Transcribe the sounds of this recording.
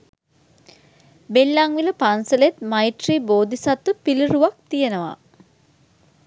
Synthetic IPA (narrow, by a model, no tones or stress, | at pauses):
belːaŋʋiləpansəlet̪maiʈriːboːd̪isat̪ːupiliruʋak̚t̪ijenəʋa̰